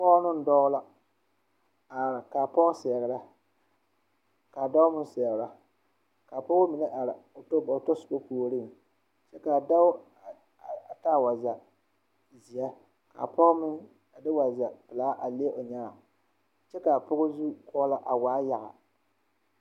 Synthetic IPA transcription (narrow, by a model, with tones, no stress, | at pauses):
pɔ˦nʊ˦n̩˦dɔ˦ɣla˦ | a˨ɾka˨pɔ˦ɣsɛ˨ɣɨ˨ɾa˦ | ka˨da˦ʊ˦mʊ˦n˦sɛ˨ɣɾa˦ | ka˨pʊ˦ɣʊ˦mɪ˨nɨ˦ʔa˨ɾɨ˨o˨to˦ba˨to˦sʊ˨ba˦koː˨ɾɨ˦˨ŋ˨ | t͡ʃɛ˦ka˨da˦ʊ˦˨ | a˨ta˦˨wa˨za˨ | zi˨ja˦ | ka̰˨pɔ˦ɣmɪ˦n˨ | dɪ˦wa˨za˨pɨ˨laː˦ʔa˨le˦ʔʊ˨ɲa˦a˨ | t͡ʃɛ˦ka˨pʊ˦ɣʊ˦zu˦kɔː˦la˦ʔa˨waː˨˦ja˨ʔa˨